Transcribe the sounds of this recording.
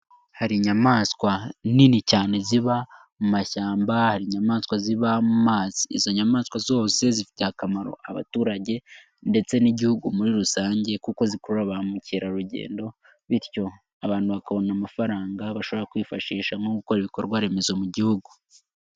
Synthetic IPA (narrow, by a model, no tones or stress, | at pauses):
haɾiɲamaːskwaninicaːne̞ziβa | mumaʃaːmbahaɾiɲamaːskwaziβamumaːziḭzo̞ɲamaːskwazo̞ːse̞zifi̥tehakamaɾo̞̰ʔaβa̰tuːɾaɟe̞ | nde̞t͡se̞niɟihuɡumuɾiɾusaːɲɟe̞kuko̞zikoɾuɾaβamuciːɾaɾuɟḛːndo̞ | βiɾco̞ | aβaːn̥huβakaβo̞namafaɾaːŋɡaβaʃo̞βoɾakwiːfaʃiːʃaŋo̞ɡuko̞ɾiβikoɾɡwaɾe̞me̞zo̞muɟihuɡu